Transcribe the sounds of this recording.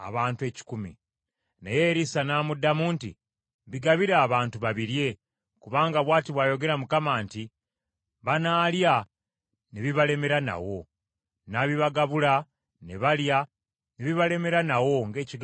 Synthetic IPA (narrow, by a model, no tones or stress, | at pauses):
a̰βaːntue̞ci̥kumḭ | nejeɾisanaːmudːamuːntḭ | βiɡaβiɾaːβaːntuβaβiɾje̞ | kuβaːŋɡaβwaːtiβwaːjo̞ɡe̞ɾamukamaːnti | βanaːlja | neβiβale̞me̞ɾana̰wo̞ | naβiβaɡaβula | neβalja | neβiβale̞me̞ɾanawo̞ŋɡe̞ːciɡ